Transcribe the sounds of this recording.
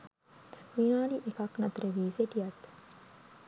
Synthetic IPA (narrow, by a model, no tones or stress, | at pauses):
ʋinaːɽiʔekaknat̪ɾeʋiːseʈijɐt̪